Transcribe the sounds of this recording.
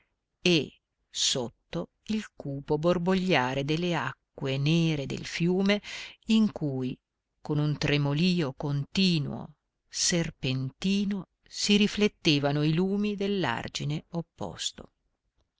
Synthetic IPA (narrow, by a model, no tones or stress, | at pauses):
e | sot̪ːo | ilkuːpoborboʎːaːɾed̪elːeakːweneːɾed̪ḛlfjuːmeiŋkuːj | konunt̪ɾemoliːokont̪iːnwo̰ | serpent̪iːno | siɾiflet̪ːeːvanoiluːmid̪elːa̰rd͡ʒineopːɔ̰st̪o̰